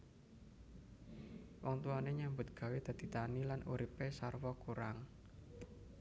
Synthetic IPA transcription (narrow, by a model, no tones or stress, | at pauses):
wɔŋt̪uaneɲambʊt̪̚ɡ̥ä̤wed̪̥ä̤d̪̥i̤t̪anilanʔuɾipesarwɔkuɾaŋ